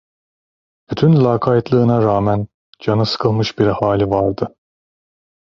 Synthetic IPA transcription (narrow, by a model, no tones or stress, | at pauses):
b̥yt̪ʰynlʲaːkʰajt̪lˠɯːnaɾaːmæn | d͡ʒanɯsɯ̥kʰɯlˠmɯʃbiɾɛhaːlʲivaɾd̪ɯ